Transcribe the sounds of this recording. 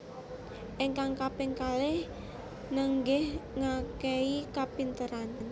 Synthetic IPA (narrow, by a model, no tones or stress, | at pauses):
ʔɪŋkaŋkapɪŋkalɪh | nəŋɡɪhŋakɛikapint̪əɾann